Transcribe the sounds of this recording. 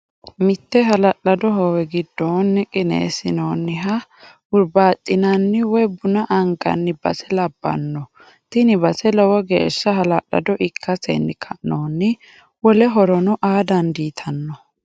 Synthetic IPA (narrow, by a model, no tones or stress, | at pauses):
mɪt̪ːɛɦɐlɐʔɐd̪ɔɦɔwɛɡɪd̪ːoːnːɪkʼɪnḛːsɪnoːnːɪɦɐ | ʊɾbaːt̪ʼːɪnɐnːɪwɔjbʊnɐʔɐŋɡɐ̰nːɪbɐ̰sɛlɐbːɐ̰nːɔ | t̪ɪnɪbɐsɛlɔwɔɡḛːʃːɐɦɐlɐlːɐ̰d̪ɔʔɪkʰːɐsɛ̰nːɪkʰɐnoːnːɪ | wɔlɛɦɔɾɔnɔʔaːd̪ɐnd̪iːt̪ʰɐnːɔ